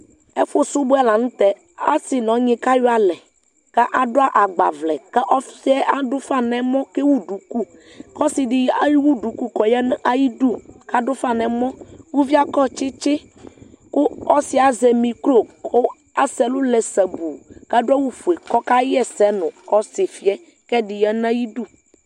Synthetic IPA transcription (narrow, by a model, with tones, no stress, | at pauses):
e˦fo˦su˦bo˦ɛ˦la˨ŋũ˦t̪ɛ˦ | a˦si˨nɔ̃˨˦ɲĩ˨ka˦jo˦a˨lɛ˨ | ka˦ʔa˨ɖo˦a˦ʔa˨ɡ͡ba̰˨vlɛ˨kɛ˦ʔɔ˦fsi˦ɛ˦ʔa˦ɖo˦fa˦nɛ̃˨mɔ̃˦ke˦wu˦ɖu˨ku˦ | kɔ˦si˨ɖi˨ja˦ji˦wu˦ɖu˨ku˦kɔ˨jɛ˦n˦ʔa˦ji˦ɖu˦ka˦ɖo˦fa˦˨nɛ̃˨mɔ̃˦wu˦vi˦a˦kɔ˦t͡ʃe˦t͡ʃe˦ | ko˦ɔ˦si˨˦a˨zɛ˨mĩ˨klo˦˨kʰo˦ | a˦sɛ˨lu˦lɛ˨sɛ˨bu˨ka˦ɖo˦a˦wu˦fu˨e˨kɔ˦ka˦ɛ˦sɛ˨˦nʊ̃˨kɔ˦si˨fi˦ɛ˦ | kɛ˦ɖi˨jɛ˦nã˦ji˦ɖu˦